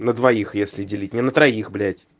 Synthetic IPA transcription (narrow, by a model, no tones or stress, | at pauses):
nəd̪vɐixjesʲlʲɪdʲɪlʲitʲnʲɪnət̪ɾɐixblʲætʲ